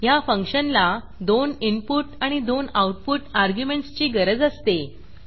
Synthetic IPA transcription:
jafəŋkɕənla | d̪onimpuʈaɽ̃id̪onawʈ̚puʈaɾɡjumeɳʈst͡ɕiːɡəɾəd͡zəst̪e

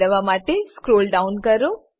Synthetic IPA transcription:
əʋamaʈeskɾolɖaunkəɾo

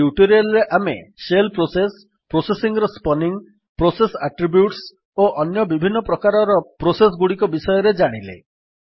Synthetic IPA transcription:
juʈoɾialɾeʔamḛselpɾoses | pɾosesiŋɾɔspɔniŋ | pɾosesaʈɾibjuʈs | oʔɔnjɔbibʱinːɔpɾɔkaɾɔɾɔpɾosesɡuɽikɔbisɔjɔɾed͡ʒaɽ̃ilḛ

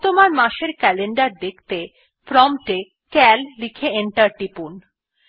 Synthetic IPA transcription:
t̪omaɾmaʃeɾkɛleɳɖaɾd̪ekʰt̪e | pɾɔmʈe | kɛlːikʰeeɳʈaɾʈipun

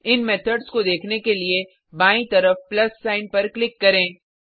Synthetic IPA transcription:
ɪnmɛːt̪ʰəɖskod̪eːkʰnekelie | baːĩt̪ɐɾəfplɐsːaːɪnpɐɾklɪkːɐɾẽː

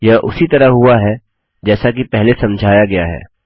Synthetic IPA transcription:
jaʔʊ̰sit̪ɐɾəɦɦʊaɦɛ | d͡ʒɛːsakipɛɦlesɐ̃md͡ʒʱaːjaɡɐjaɦɛ̰ː

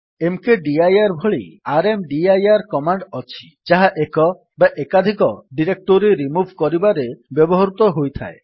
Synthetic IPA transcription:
emkeɖiajaɾbʱoɭḭaɾemɖiajaɾkɔmaɳɖɔt͡ɕʰi̥ | d͡ʑaɦaʔekɔ | baʔekad̪ʱikɔɖiɾek̚ʈoɾiɾimubʱkɔɾibaɾebɛbɔɦaɾut̪ɔɦojt̪ʰa̰e

